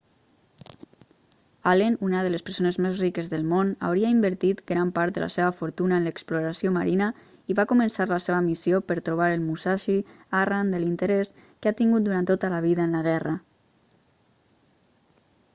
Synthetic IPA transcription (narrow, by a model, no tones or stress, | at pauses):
alenunəðələspəɾsonəzmezrikəzðəlˠmona̰wɾiəimbəɾt̪it̪ɡɾampaɾt̪d̪ə̰la̰seβəfuɾt̪unəənləkspluɾasjomaɾʔinə | iβakumənsaɾləseβəmisjopəɾt̪ɾuβ̞aɾəlˠmusaʃi | arand̪əlint̪əɾeskat̪iŋɡut̪̚d̪uɾant̪ːot̪ələβiðəənləɣ̞ɛrə